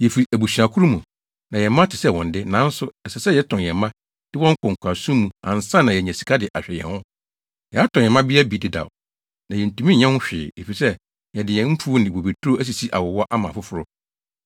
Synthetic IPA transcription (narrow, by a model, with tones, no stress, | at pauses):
jɛ˨fi˨ɾi˨ʔæ˨bu˨ɕi˨ɾã˨kʰu˦ɾu˦mũ˨ | nã˨jɛ˨mã˦tʰɪ˨sɛ˦˨wɔ̰̃˨n˨dɪ˦nã˨˦n̩˦sʊ˨ɛ˨sɛ˨sɛ˦jɛ˦tʰɔ̃˨jɛ˨mːã˦ | d̥ɪ˦wɔ̃˦ŋ̩˦kʰɔ̃˨ŋ̩˨kʷʰa˨sũ˦mũ˨ã̰˨n̩˨sã˦nã˨jɛ˨ɲɛ̃˨si̥˨kʰa˦dɪ˨ʔa˨ɕᶣɛ˨jɛ̰̃˨nhʊ̃˦ | jɛ˨a˦tʰɔ̃˨jɛ˨mã˦bɪ˦a˦bi˨˦˨dɪ˨da̰˨w | nã˨jɛ˨n̩˨tʰũ˨mĩ˦ɲɛ̃˦hʊ̃˦ɕᶣɪ̰ː˨e˨fi˨sɛ˦ | jɛ˨dɪ˨jɛ̃˨m̩˦pʰu˦nɪ̃˨bo˨be˨tʰu˦o˦æ˦s̬i˨si˦ʔa˨wɔ˨wɔ˦ʔa˦mã˨fʊ˦fʊ˦ɾʊ˦